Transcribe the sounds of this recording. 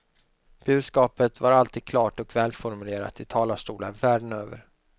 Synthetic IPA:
b̥ʉ̟ːd̪skɑːpət̪vaɾalt̪iːd̪̚kʰlɑːʈɔkvɛːlfɔɾmɵleːɾa̰t̪ɪt̪ʰɑːlaʂtʈuːlənvæːɖənøːvə̰ɾ

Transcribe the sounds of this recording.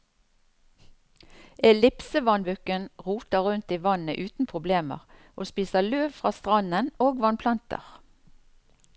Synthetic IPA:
ɛlɪpsəʋɑnʋʉkənʁuːt̪əʁʉnt̪iːʋɑnəʔʉːt̪n̩pʰʁʊbleːmə̰ʁʔoːspiːsəløːʋfʁɑːst̪ʁɑnənoːɡʋɑnpʰlɑnt̪ə̰ʁ

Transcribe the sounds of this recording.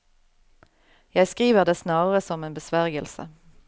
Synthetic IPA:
jæɪskʁiːʋəʁd̪eːsnɑːʁəʁəsɔmeːnbəsʋæʁɡəlsə̰

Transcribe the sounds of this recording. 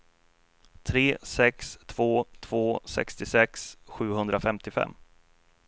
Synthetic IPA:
t̪ʰɾeːsɛkst̪ʰv̥oːt̪ʰv̥oːsɛ̰kst̪ɪsɛksɧʉ̟ːhɵnd̪ɾafɛmt̪ɪfɛ̰mː

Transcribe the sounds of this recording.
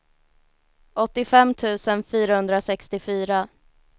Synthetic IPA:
ɔt̪ːɪfɛmːt̪ʰʉ̟ːsənfyːɾahɵnd̪ɾasɛkst̪ɪfyːɾa

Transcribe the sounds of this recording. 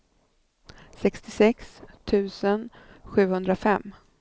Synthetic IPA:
sɛkst̪ɪsɛkst̪ʰʉ̟ːsən | ɧʉ̟ːhɵnd̪ɾafɛmː

